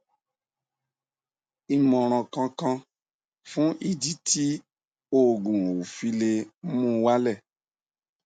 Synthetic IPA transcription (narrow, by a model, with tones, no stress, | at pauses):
i˧mɔ̃˨ɾ̃ɔ̃˧kã˧kã˧ | fũ˦ʔi˧di˦tʰi˦ | o˦˨ɡũ˨ɾ̃ũ˨wu˨fi˦le˧˦mũ˦˧wa˦lɛ˦˨